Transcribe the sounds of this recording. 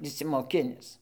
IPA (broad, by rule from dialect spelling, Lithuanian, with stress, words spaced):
ɪʃʲsʲɪmoːˈkʲɪnʲɪs